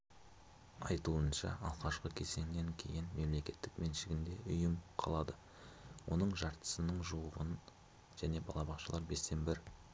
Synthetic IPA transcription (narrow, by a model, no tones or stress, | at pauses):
ɑ̰jt̪uənʃɑ̰ʔɑlˠʁɑʃqəkʲʰe̞se̞ŋneŋkʲʰe̞̰jɪnme̞mle̞kʲe̞t̪ːɪkme̞nʃɪɡʲɪnd̪e̞ʔʊjəmqʰɑ̰lˠɑd̪ə | wʔo̞̰nəɴʒɑɾt̪ə̥sənəɴʒuwəʁən | ʒ̥æne̞bɑlˠɑbɑχqʃɑlˠɑɾbe̞st̪e̞mbɪɾ